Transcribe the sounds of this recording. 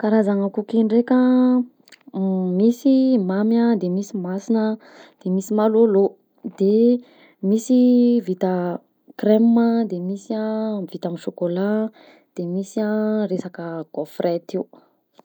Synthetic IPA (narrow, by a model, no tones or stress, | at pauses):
kaɾazaŋakukiɳrekʲə | misimamjad̪emisimasinə | d̪̥emisimalolo | d̪̥e | misivit̪ə | kremːəd̪emisiavit̪amiʃokola | d̪̥emisaɾesakəɡofret̪iu